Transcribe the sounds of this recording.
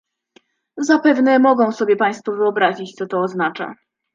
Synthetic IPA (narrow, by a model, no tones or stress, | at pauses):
zapɛvnɛmɔɡɔ̃w̃sɔbʲjɛpaj̃st̪fɔvɘɔbɾaʑit͡ɕt̪sɔt̪ɔːznat͡ʂa̰